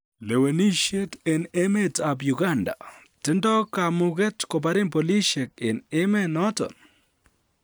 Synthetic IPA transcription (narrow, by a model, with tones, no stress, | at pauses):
le˨we˨ni˦ʃe˦te˨ne˦me˦ta˨bju˨ɡa˦nda̰˨ | tɪ˦ndɔ˦ka˨mʊ˦ɡɛ˦tko˨p̬a˦ɾɪ˦mpo˨li˦ʃe˨k̚ɪ˨ne˦me˦nɔ˦tɔ̰˨n